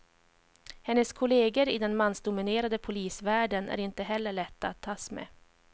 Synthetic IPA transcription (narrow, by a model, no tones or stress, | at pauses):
hɛnːəskʰʊleːɡəɾɪd̪ɛnmansd̪ʊmɪneːɾad̪əpʰʊliːsvæːɖənæ̰ɾɪnt̪əɦɛlːəɭɛt̪ːaat̪ʰːɑːsmɛ̰